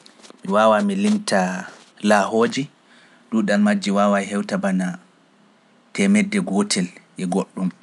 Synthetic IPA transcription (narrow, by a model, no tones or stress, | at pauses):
miwawamilimtʰa | lahoːd͡ʒi | duɗalmad͡ʒːiwaːwajɦɛwtabana | tɛmɛdːɛɡotʰɛlʔɛɡoɗːum